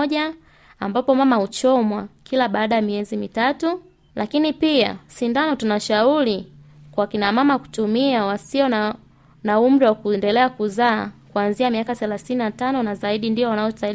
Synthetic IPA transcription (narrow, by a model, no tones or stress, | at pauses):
ɔʄa | ambapɔmamahut͡ʃɔmwakʰilaɓaːɗajamiɛzimitatu | lʔakinipia̰sindanɔtunaʃauɾi | kwaakinamamaku̥tumiawasiɔ | nahum̩ɗawakuɛndɛlɛakuzaːkuanziamiakaθɛlaθininatanɔnazaiɗindiɔwanaɔ̥tail